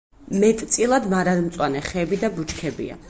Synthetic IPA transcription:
mɛt̪ʼt̪sʼilˠad̪maɾad̪mt̪sʼwanɛχɛːbid̪abut͡ʃʰkʰɛbḭa̰

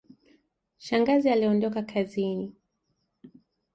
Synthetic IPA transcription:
ʃaŋɡazialiɔndɔkakʰazini

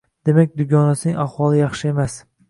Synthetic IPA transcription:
d̪̥e̞mak̚ʲd̪ʊɡʲɒnasɪnɪŋɑhwɒlˠɪjɑχʃɪe̞mas

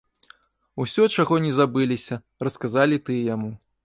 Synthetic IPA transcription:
usʲɔt͡ʂaɣɔnʲɛzabɨlʲisʲɐ | rɐskazalʲit̪ɨjamu

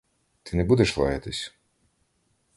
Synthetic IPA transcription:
t̪ɪnɛbud̪ɛʃlˠɑ̰jɐt̪ɪsʲ

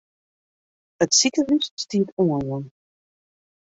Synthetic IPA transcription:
ətsikəvysstitʰuənwɔn

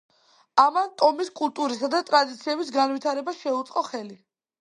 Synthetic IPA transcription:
amant̪ʼɔmiskʼulˠt̪ʼuɾisad̪at̪ʼɾad̪it̪sʰiɛbisɡanvit̪ʰaɾɛbaʃɛut̪sʼqʼɔχɛli

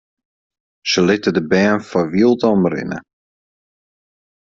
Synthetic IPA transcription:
səlɪtədəbɛːnfɔʋilˠtɔmrɪ̰nə̰

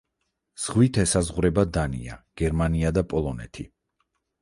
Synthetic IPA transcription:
z̥ʁwit̪ʰɛsazʁuɾɛbad̪anḭa̰ɡ̥ɛɾmaniad̪apʼɔlˠɔnɛ̰t̪ʰi

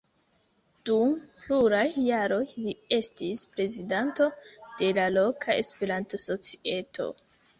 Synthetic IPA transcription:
d̥umpluɾajːaɾo̞jlie̞stispɾe̞zidanto̞d̥e̞lalo̞kʰae̞̰spe̞ɾantoso̞t͡si̥e̞tʰo̞̰

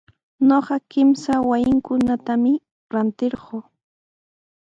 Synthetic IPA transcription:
ɲoqɑkɪmsawajɪŋkʊnat̪amɪ | ɾant̪ɪɾɢoː

